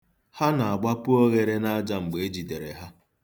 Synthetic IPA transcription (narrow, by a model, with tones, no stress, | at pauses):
ha˦na˨a˨ɡ͡ba˦pʊ˦o˦ɣe˦ɾe˦na˦d͡ʒa˦ŋ͡m̩˨ɡ͡be˨e˦d͡ʒi˨de˨ɾḛ˨ɦa˦